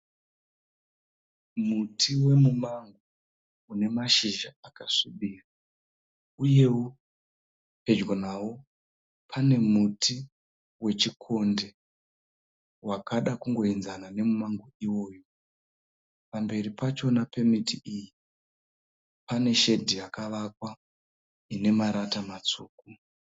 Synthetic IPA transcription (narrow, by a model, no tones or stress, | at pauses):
mutʰiwe̞mumaŋɡo | une̞maʃiʒaakasuɓira | uje̞wo | pe̞d͡ʒɡonawo̞ | pʰane̞mutʰi | we̞t͡ʃikʰo̞nde̞ | wakʰaɗakuŋɡo̞inzanane̞mumaŋɡoiwo̞ːjo | pambe̞ɾipat͡ʃo̞nape̞mitiʔiji | pane̞ʃe̞dʱiakaʋakwa | ine̞maɾatamat͡suːk̚u